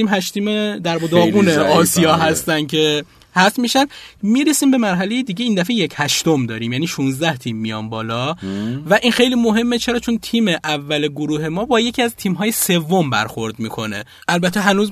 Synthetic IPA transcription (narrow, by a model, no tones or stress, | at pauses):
iːmɦæʃt̪ʰiːmed̪æɾbod̪ɒːɣuːneɒːsijɒːɦæst̪ænd̪̥̚cʰe̞ | hæst̪miːʃænd̪miːɾesiːmbe̞mæɾɦæle̞jed̪iːɟeiːnd̪æfejecʰhæʃt̪o̞md̪ɒːɾiːmjæːniːʃunzd̪æht̪ʰiːmːijɒ̰ːmbɒːlɒːvæʔinxe̞jliːmoɦe̞mːet͡ʃʰe̞ɾɒːt͡ʃʰo̞nt̪ʰiːmeʔævːæleɡoɾuːɦe̞mɒːbɒːje̞cʰiːæzt̪ʰiːmɦɒːjese̞vːo̞mbæ̰ɾxo̞ɾd̪miːkʰo̞̰ne̞̰ | ʔælbæt̪ʰːe̞ɦænuːz